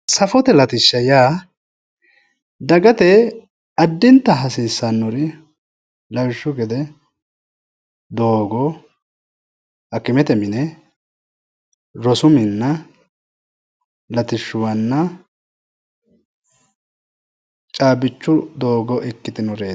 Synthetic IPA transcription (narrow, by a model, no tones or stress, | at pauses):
sɐfɔt̪ɛlɐt̪ɪʃːɐjaː | d̪ɐɡɐt̪ɛ | ɐd̪ːɪnt̪ːɐɦɐsiːsːɐnːʊɾɪ | lɐwɪʃːʊɡɛd̪ɛ | d̪oːɡɔ | ɐkːɪmɛt̪ɛmɪnɛ | ɾɔsʊmɪnːɐ | lɐt̪ɪʃːʊwɐnːɐ | t͡ʃʼaːbɪt͡ʃːʊd̪oːɡɔʔɛkːɪt̪ɪnɔɾeː